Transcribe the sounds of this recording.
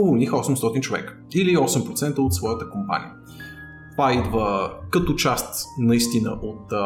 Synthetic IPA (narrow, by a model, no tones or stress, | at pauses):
ovonixɔsɛmst̪ɔt̪int͡ʃovɛ̰kə̥iliɔsɛmpɾot̪sɛnt̪əot̪svɔjət̪əkompa̰nʲḭə | t̪ovaid̪vəkɐt̪ot͡ʃast̪nɐist̪inəʔot̪